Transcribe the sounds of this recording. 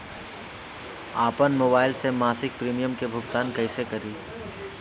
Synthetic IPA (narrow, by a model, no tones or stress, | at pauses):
aːpənmoːbaːɪlsemaːsɪk̚pɾiːmijəmkebʱʊɡt̪aːnkɐɪsekɐɾiː